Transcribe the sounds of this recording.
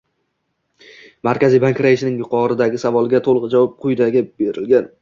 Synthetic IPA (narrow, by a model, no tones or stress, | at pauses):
maɾkʲazijbaŋkʲɾajɪʃnɪŋjʊqʰɒɾɪd̪aɡʲɪsavɒlˠɡʲat̪ʰolˠʁɨd͡ʒavɒp̚qʰʊjd̪aɡʲɪbe̞ɾɪlɡʲan